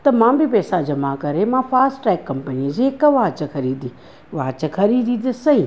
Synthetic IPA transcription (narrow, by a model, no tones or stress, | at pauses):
t̪ɐmãːmbɪpɛːsad͡ʑɐmakɐɾemãːfaːsʈʈɾɛːkːɐmpənid͡ʑeːkɐʋãːt͡ɕɐxʰɐɾiːd̪ĩː | ʋaːt͡ɕəkʰɐɾiːd̪ĩt̪ɐsɐɦĩː